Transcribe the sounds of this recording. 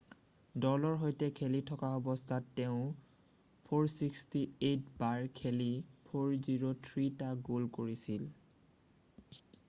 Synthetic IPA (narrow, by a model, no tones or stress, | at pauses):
dɔlɔɹɦojtɛkʰelitʰɔkaɔbɔstʰatːɛʊ̃ | pʰoɹsikstietbaɹkʰelipʰoɹziɹotʰɹitaɡolkoɹisil